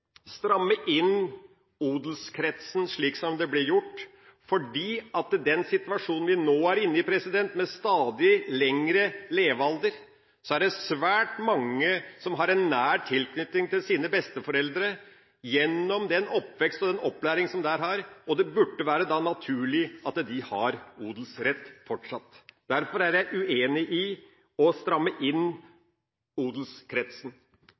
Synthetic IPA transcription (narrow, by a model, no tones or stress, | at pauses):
st̪ɾɑmːəʔɪn | uːd̪lskʰɾɛt̪sn̩ʂɭiːksɔmd̪ɛblɪɾjʊʈː | fɔɖiːɑt̪d̪ɛnsɪt̪ʋɑʂuːnn̩ʋɪnoːæɾɪnːəɪpʰɾɛsɪd̪ɛnt̪mɛst̪ɑːd̪ɪlɛŋɾəleːʋɑld̪əɾ | sɔæɖɛsʋæːʈmɑŋːəsɔmɦɑɾɛnːæːɾt̪ʰɪlkʰnʏt̪ːɪŋt̪ɪlsiːnəbɛst̪əfɔɾɛld̪ɾə | jɛnːɔmd̪ɛnɔpːʋɛkst̪ɔd̪ɛnɔpːlæːɾɪŋsɔmd̪æːɾɦɑɾɔd̪ɛbʉɖːəʋæːɾəd̪ɑːnɑt̪ʰʉːɭɪɑt̪d̪ɪhɑɾuːd̪l̩sɾɛt̪ːfɔʈʂɑt̪ːd̪̥æɾfɔɾæɾjæɪʔʉeːnɪʔɪ | ɔst̪ɾɑmːəʔɪnː | uːd̪l̩skʰɾɛt̪sn